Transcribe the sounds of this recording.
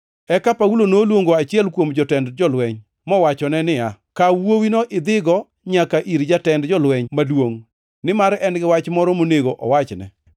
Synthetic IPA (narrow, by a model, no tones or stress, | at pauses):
ɛkapaulonolwoŋɡoat͡ʃɪɛlkwomd͡ʒɔtɛndd͡ʒɔlwɛɲ | mɔwat͡ʃɔnɛnɪa | kawowinoʔɪd̪ɪɡɔ | ɲakaʔiɾd͡ʒatɛndd͡ʒɔlwɛɲmadwoŋ | nɪmaɾɛnɡɪwat͡ʃmɔɾɔmoneɡoʔɔ̰wat͡ʃnɛ̰